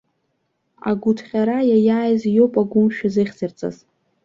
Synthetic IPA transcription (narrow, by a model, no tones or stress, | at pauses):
a̰ɡʷutʰχʲaɾajajaːjzjopʼaɡʷʊmʃᶣazɨχʲt͡sɨrt͡sʼa̰z